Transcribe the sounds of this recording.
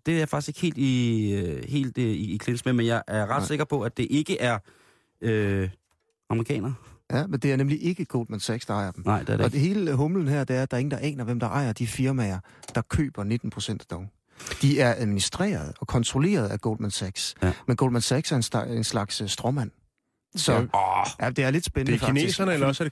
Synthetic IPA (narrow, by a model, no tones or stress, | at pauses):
d̥e̝æjäfɑ̈ɡ̥i̥se̝ɡ̥he̝̰ːld̥i | he̝̰ːld̥iːkʰlensmemenjɑ̈ɪʔæɐʁɑd̥se̝ɡ̥ɐpʰɒ̽æd̥e̝ʔe̝ɡ̥əʔæɐ | ø | ɑ̈məʁikʰɛ̰ːnɐæmend̥e̝æɐnemliʔe̝ɡ̥əɡ̥o̰ːl̥mænsæɡ̥sd̥ɑ̈ɑ̈ɪɐd̥emɑɪ̥ɐ̥ɒɦe̝ːləɦɔ̽mln̩hæɐ̰d̥e̝æɐd̥ɑ̈ɐe̝ŋn̩d̥ɑ̈ʔɛ̰ːnɐʋemd̥ɑ̈ʔɑ̈ɪ̰ɐd̥ifiɐmæɐ | d̥ɑ̈kʰø̰ːb̥ɐne̝d̥n̩pʰʁo̝sen̰d̥æd̥ɒʊ | d̥iæɐʔæðˠminisd̥ʁḛːɐð̩ˠɒ̽kʰɒ̽nt͡sʰʁo̝le̝̰ːɐð̞̩ˠæɡ̥o̰ld̥mænsæɡ̥smenɡ̥o̰ːldmænsæɡ̥sæɐense̝nslɑ̈ɡ̥ssd̥ʁɔmæn̰ | sɒjæd̥e̝æɐle̝d̥sb̥enəfɑneḭːsɐnəelɐɒs